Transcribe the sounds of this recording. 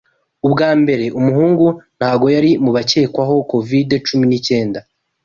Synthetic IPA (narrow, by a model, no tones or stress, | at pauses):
ubɡaːmbe̞ɾe̞ʔumuhuːŋɡun̥haːbɡo̞jaɾimuβace̞ːkwaɦo̞ko̞videt͡ʃuminice̞ːnda